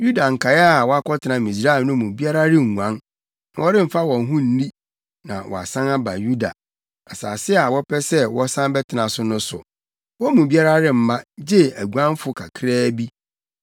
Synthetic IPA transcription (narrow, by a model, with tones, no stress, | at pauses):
ju˦da˨ŋ̩˨kʰa˨jɛ˦a˨wɔ˦a˦kɔ˦tʰɪ˨nã˨mĩ˨s̬ɾa˦ɛ˨lnʊ̃˦mũ˨bi˦a˦ɾa˦ɾɪ˦ŋ˨ŋũ˨ã˦n | nã˨wɔ˦ɾɪ̃˦m̩˨fa˦wɔ̃˨n˦ɦũ˦n̩˨˦nĩ˦ | nã̰˨wɔ̰˨a̰˨sã˦na˦ba̰˨ju˦da̰˨ | a˨sa̰ː˨sɪ˦a˨wɔ˦pʰɛ˦sɛ˦wɔ˦sã˦m˦bɛ˦tʰɪ˨nã˨sʊ˦nʊ̃˦sʊ̰˨ | wɔ˦mũ˨bi˦a˦ɾa˦ɾɪ˦m̩˨mã˦d͡ʑɛ˦æ˨ɡu˨ã˦m˦fʊ˦kʰa˨kʰɾɛː˦bi˦